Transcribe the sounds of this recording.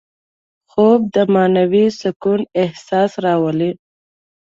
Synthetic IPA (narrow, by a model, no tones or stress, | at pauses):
xob̚d̪əmɑnawisʊkunɪhsɑsɾɑwəli